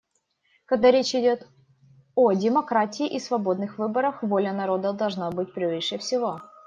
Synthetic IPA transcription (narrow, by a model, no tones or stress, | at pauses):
kɐɡd̪aɾʲet͡ɕɪdʲo̞t̪ | odʲɪmɐkɾatʲɪːʔisvɐbo̞d̪nɨxvɨbəɾəxvo̞lʲənɐɾo̞d̪əd̪ɐlˠʐnabɨt̚ʲpɾʲɪvɨʂɨfsʲɪvo̞